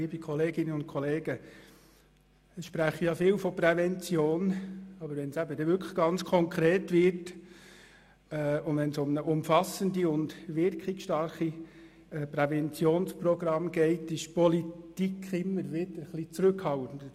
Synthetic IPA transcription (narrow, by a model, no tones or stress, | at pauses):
iːbikʰɔleːɡɪnəʊnt̚kʰɔleːɡ̥ə | sʃpɾæχəjɑfɪːlfɔprɛvɛnt͡sjoːnɑbəɾʋɛnsæbədɛʋʏɾkʰə̥ɡ̥ɑnt͡skʰɔŋkʰɾeːtʋɪɾt | ɛʊndʋɛnsʊmnəʔʊmfɑsəndiʊndʋɪɾkχɪksʃtɑrχi | ɛpɾɛvɛnt͡sjoːnsprɔɡɾɑmɡ̥ɛɪtɪʃpɔlitikχɪmːəɾʋɪdəɾχlit͡sɾɵkhɑltən̩də